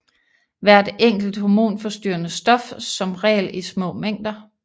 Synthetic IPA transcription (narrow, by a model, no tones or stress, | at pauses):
ʋæɐ̰d̥eŋ̰ɡ̥l̩d̥homo̝̰ːnfɒ̽sd̥y̰ːɐnəsd̥ɒ̽fsɒ̽mʁɛ̰ːlismɔ̰̽ːmeŋ̰d̥ɐ